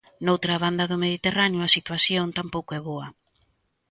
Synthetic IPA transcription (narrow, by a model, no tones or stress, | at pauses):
nowt̪ɾaβand̪ɐðʊmeð̞it̪eranjʊasit̪waθjont̪ampowkoɛβoɐ